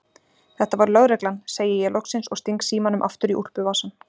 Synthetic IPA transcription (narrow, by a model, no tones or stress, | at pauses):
θɛht̪avaɾʏlœɣɾɛklanseːjɪjɛlɔksɪnsɔɣst̪iŋksiːmanʏmʔa̰ft̪ʏɾiʔur̥pʏvaːsan